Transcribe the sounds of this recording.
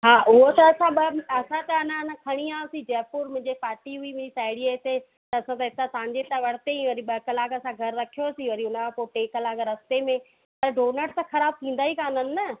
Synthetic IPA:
ɦaːʔʊɦot̪ɐɐsãɓɐɐsãt̪aɐnaɐnəkʰɐɽ̃iãːsid͡ʑɛːpuɾmʊ̃ɦɪ̃ɲd͡ʑepaːʈiɦʊimʊ̃ɪ̃d͡ʑisaːɪɽiese | t̪ɐɐsãt̪̬ɐɦɪt̪asãːɲd͡ʑet̪ãʋɐɽ̤t̪eĩʋɐɾiɓɐkɐlaːkɐsãɡʱɐɾːɐkʰijosiʋɐɾiʊnəkʰãpoːʈeːkɐlaːkɾɐst̪emẽ | pɐɾɖoːnəʈsãxɐɾaːb̚t̪ʰĩːnd̪aːikaːnənɪ̆nɐ

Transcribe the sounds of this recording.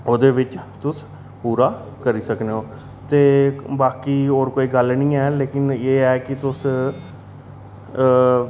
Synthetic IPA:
oːd̪eːʋɪt͡ʃt̪ʊs | puːɾaː | kəɾiːsəkneːoː | t̪eːbaːkiːoːɾkoːiːɡəlnĩːɛːleːkɪneːɛːkɪt̪ʊs

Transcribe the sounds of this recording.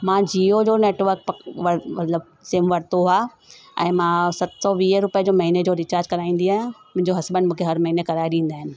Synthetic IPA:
mãːd͡ʑiːod͡ʑoːneːʈʋəɾk̚pʋɐɽmɐt̪ləb̚ | seːmʋɐɽt̪oɦaː | ɛ̃ːmãsɐt̪sɔʋiːəɾʊpjəd͡ʑoːmɐɦined͡ʑoɾɪt͡ɕaːɾd͡ʑkɐɾaːĩːnd̪iaːɦj̃mʊ̃ɦɪ̃ɲd͡ʑoɦɐsbə̃ɳɖmũːkʰeɦɐɾmɐɦiːnekɐɾaːeɗĩːn̆d̪aːɦɪnɪ̆

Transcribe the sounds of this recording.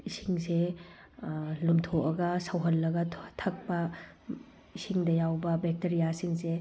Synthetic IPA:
isiŋse | lumtʰoʔɐɡɐsɐwɦɐlːɐɡɐtʰɐk̚bɐ | isiŋdɐjawbɐbek̚teɾijasiŋse

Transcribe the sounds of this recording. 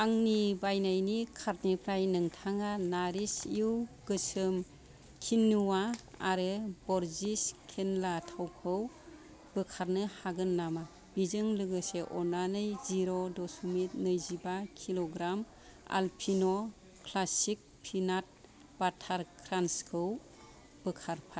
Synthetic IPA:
aŋnibajnajnikʰaɾnipʰɾajnɯŋtʰaŋanaɾisiuwɡɯsɯm | kʰinːuwaa̰ɾɯbɔɾziskʰenlatʰawkʰɯw | bɯkʰaɾnɯhaɡɯnːama | bizɯŋlɯɡɯseʔɔnanɯjziɾɔdɔsumit̚nɯjzibakʰilɔɡɾam | a̰lpʰino | kʰlasik̚pʰinat̚ | b̥atʰaɾkʰɾanskʰɯw | b̥ɯkʰaɾpʰa

